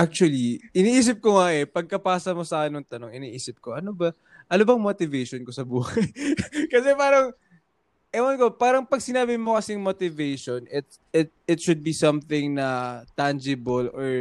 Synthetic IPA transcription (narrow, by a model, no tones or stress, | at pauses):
ʔak̚t͡ʃuɐliʔɪniːʔiːs̬ɪp̚koŋaʔɛpɐɡ̚kɐpaːsɐmo̞sɐkɪnoŋt̪ɐno̞ŋɪniʔiːsɪp̚ko̞ʔɐnobɐ | ʔɐnobɐŋmot̪ɪvɛjʃonkosɐbuːhɐjkɐsɛpaːɾɐŋ | ʔɛwɐnkopaːɾɐŋpɐɡ̚sɪnaːbɪmokɐsɪŋmot̪ɪvejʃonɪt̪̚ | ɪt̪̚ɪt̪̚ʃʊd̪̚bisɐmθɪŋnɐt̪and͡ʒɪboloɹ